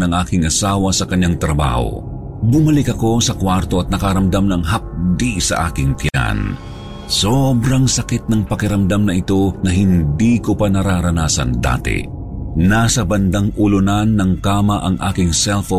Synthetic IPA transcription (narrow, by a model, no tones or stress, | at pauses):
nɐŋʔaːkɪŋʔɐsaːwɐsɐkɐɲːaŋt̪ɾɐba̰ːho̰ | bʊmɐlɪkɐko̞sɐkwaɾt̪o̞ɐt̪̚nɐkɐɾɐmd̪amnɐŋɦɐp̚d̪isɐ̰ʔa̰ːkɪŋt̪ja̰n | sobɾɐŋsɐkɪt̪̚nɐŋpɐkɪɾɐmd̪amnɐʔɪt̪o̞nɐɦɪnd̪ikopɐnɐɾaɾɐnaːsɐ̰nd̪a̰ːt̪ɪ̰ | nasɐbɐnd̪aŋʔulʊnanːɐŋkaːmɐʔɐŋʔa̰ːkɪŋsɛlfo